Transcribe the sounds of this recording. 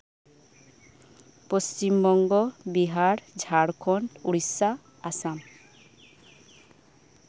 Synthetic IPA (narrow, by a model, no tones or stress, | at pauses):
post͡ʃimbɔŋɡɔbiɦaɾd͡ʒʱaɾkʰɔnuɾisa | asam